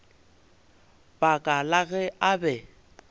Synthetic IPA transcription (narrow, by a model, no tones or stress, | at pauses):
b̥akʼalaɣɛʔabɛ